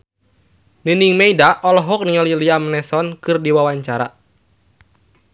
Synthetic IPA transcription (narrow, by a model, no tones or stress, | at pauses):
nɨniŋmeidaʔɔlɔɦɔk̚niɔliliamnɛsɔnkɨrdiwawaɲt͡ʃaɾa̰